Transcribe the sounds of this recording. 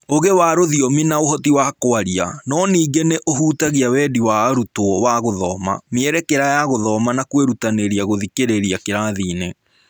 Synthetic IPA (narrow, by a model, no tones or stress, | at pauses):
oɣewaɾoðiɔminaoɦɔtiwakoaɾia̰nɔniːɡeneʔoɦuːtaɣiawɛːdiwaɾutoɔwaɣoðɔma̰meɛɾɛkeɾajaɣoðɔmanakweɾutaneɾiaɣoðikeɾeɾiakeɾaðiːne